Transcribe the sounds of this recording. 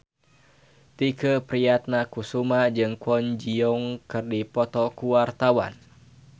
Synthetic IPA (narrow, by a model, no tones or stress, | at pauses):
t̪ikəpɾiat̪̚nakusumad͡ʒɨŋkwɔɲd͡ʒiɔŋkɨrdipɔt̪ɔkuwart̪awa̰n